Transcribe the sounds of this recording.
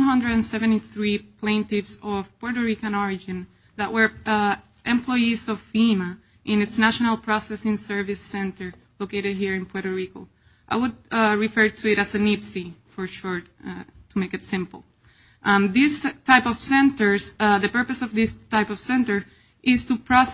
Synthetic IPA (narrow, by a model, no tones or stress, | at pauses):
ɦʌ̃ndɹəɾɨ̃nsɛvɛ̃ntiθɹipʰlẽɪ̃ntɪvsɔv̥pɔɹɾəɹikə̃nɔɹɪd͡ʒɨ̃n | ðəʔ̚wə˞ | ʔɛ̃mpʰlɔjisɔvfima | ʔɪ̃nɨtsnæʃɔnalˠpʰɹ̥ɔsɛsɪ̃ŋsɜ˞vɪsɛ̃ntə˞ | lokeɪɾɨd̚ɦiɹɨ̃npʰɔɾəɹiko | ʔaɪwʊd̚ɹifɜ˞tʰuɪɾæzɨnipsifə˞ʃuɹ | tʰumeɪkɨtsɪ̃mpl̩ˠ | ʔðɪstʰaɪpɔv̥sɛ̃ntə˞zðəpɜ˞pɨsɔvðɪstʰaɪpɔv̥sɛ̃ntə˞ | ʔɪztupʰɹɔs